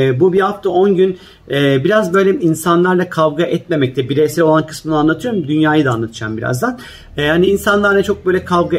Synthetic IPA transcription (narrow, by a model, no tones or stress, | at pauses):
bubiaft̪ʰao̞nɟyn | ɛːbiɾazbø̞jlʲɛinsanlˠaɾlˠakʰavɡaʔɛt̪me̞mɛc̚t̪ʰɛbiɾesiɾo̞lˠankʰɯ̥smɯnɯanlˠat̪ʰɯjo̞ɾumd̪ynjaːjɯd̪aːnlːˠat̪ʰɯ̥d͡ʒa̰mbiɾa̰zd̪anː | haniːnsanlˠaɾnɛt͡ʃʰo̞k̚bøjlʲɛkʰavɡa